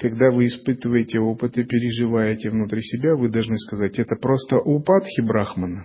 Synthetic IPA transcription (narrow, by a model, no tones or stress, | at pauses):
kɐɡd̪avɨːspɨt̪əvəjɪtʲɪo̞pɨt̪ɨpʲɪɾʲɪʐɨvajɪtʲɪvnʊt̪ɾʲisʲɪbʲavɨd̪ɐlˠʐnɨskɐzatʲɛt̪əpɾo̞st̪əʔʊpat̪xʲɪbɾaxmənə